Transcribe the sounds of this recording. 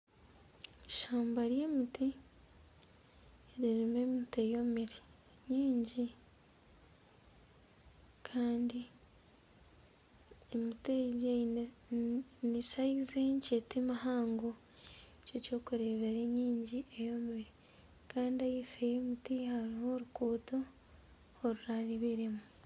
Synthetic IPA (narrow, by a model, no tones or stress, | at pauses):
ʃaːmbaɾjemiti | ɾiɾimemitejomeɾe | ɲiːɲɟi | kʰaːndi | emiteɟe | nisaizeɲcetimahaːŋɡo | eco̞co̞ːkuɾeːβeɾeɲiːɲɟiʔejomiɾe | kaːndiajefejemutihaɾihoɾukuːtoː | ɾuɾaliβiɾemu